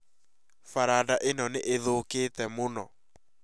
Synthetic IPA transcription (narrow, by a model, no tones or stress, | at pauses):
faɾadaʔenɔneʔeðokeːtɛmonɔ